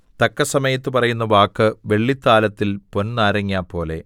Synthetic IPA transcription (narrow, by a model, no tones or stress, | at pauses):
t̪ɐkːɐsɐmɐjɐt̪ːɨpɐrɐjunːɐʋaːkːɨʋe̞ɭːit̪ːaːlɐt̪ːilpo̞nnaːɾɐŋːiaːpo̞ːle̞̰